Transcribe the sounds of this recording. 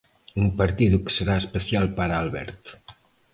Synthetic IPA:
umpəɾt̪iðuksəɾaəspəsialˠpaɾaalˠβɛ̰ɾt̪

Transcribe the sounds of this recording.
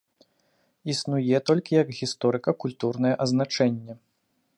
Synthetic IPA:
isnujɛt̪ɔlʲkʲijɐɡɣʲist̪ɔɾɨkɐkulʲt̪urnɐjɛʔɐznat͡ʂɛnʲːɛ

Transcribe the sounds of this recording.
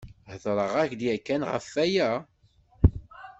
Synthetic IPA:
həðˤɾˤəʁæçd̪jækːænʁə̰fːæjæ

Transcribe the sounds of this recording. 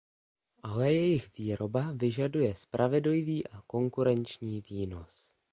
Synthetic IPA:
ʔalɛjɛjɪxviːɾo̞bavɪʒadujɛspɾʔavɛdljviːʔako̞ŋkuɾɛnt͡ʃɲiːviːno̞s

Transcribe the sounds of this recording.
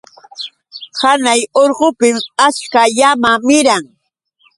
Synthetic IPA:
hanajoɾɢopɪmaskajamamɪɾaŋ

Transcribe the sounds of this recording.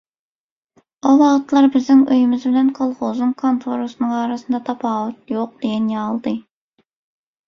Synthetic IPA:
ɑwɑʁt̪lˠɑɾbɪznɪŋøjɪmɪzbɪlɛnqʰɑlˠχozɨŋkʰont̪ʰoɾosnəŋɑːɾɑsɨnd̪ɑt̪ʰɑpʰɑːwut̪̚joq̚d̪̥eɡʲɛnjɑːlˠd̪ɨ

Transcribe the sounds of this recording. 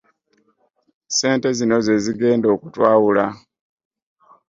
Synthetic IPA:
se̞ːnte̞zino̞ze̞ziɡe̞ːndo̞ːkutwaːwula

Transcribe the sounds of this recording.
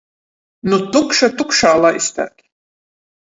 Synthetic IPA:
nut̪ukʃat̪ukʃaːlˠaːʔist̪æ̰ːkʲ

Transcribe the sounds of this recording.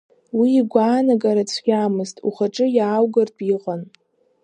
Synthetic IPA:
wiːɡʷaːnaɡʼaɾat͡sʷʰɡʲaːmɨztʼṵχaʈ͡ʂʼɨjaːwɡarpʼiqʼan

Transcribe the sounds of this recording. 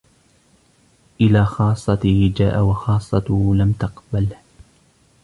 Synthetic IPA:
ʔɪlaːxɑːsˤːɑt̪ɪhd͡ʒa̰ːʔawɑxɑːsˤːɑt̪ʊlamt̪ɑqbal

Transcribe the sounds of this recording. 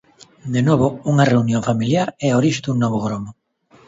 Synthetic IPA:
d̪enɔβʊuŋareunjoŋfamiljaɾɛoɾiʃd̪uŋnɔβ̞oɣɾomo

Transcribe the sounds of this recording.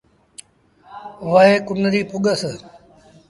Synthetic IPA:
ʋəɦeːkʊnəɾiːpʊɠəs

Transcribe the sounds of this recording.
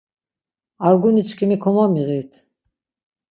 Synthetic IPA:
aɾɡunit͡ʃʰkʰimikʰɔmamiʁit̪ʰ

